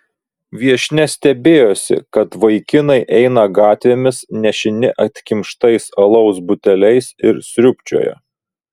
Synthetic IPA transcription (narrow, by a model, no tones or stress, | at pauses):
ʋʲiɛʃʲnʲɛsʲt̪ʲɛbʲeːjoːsʲɪ̰kɐt̪ʋɐɪkʲɪnɐɪʔɛɪnɐɡɑːt̪ʲʋʲeːmʲɪsnʲɛʃʲɪnʲɪʔɐt̪ʲkʲɪmʃt̪ɐɪsɐlˠɐʊsbʊt̪ʲɛlʲɛɪsɪɾsʲɾʲʊpʲt͡ʃʲo̰ːjɛ̰